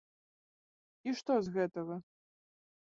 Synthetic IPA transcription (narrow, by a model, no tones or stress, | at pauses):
iʂt̪ɔzɣɛt̪ɐɣɐ